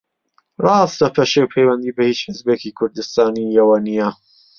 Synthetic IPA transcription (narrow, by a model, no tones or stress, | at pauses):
rˤɑːst̪ɐpʰɐʃewpʰejwɛnd̪iːbɐhiːt͡ʃħɪzbeːkikʰʊɾd̪ɨst̪aːnijɐwɐnijɐ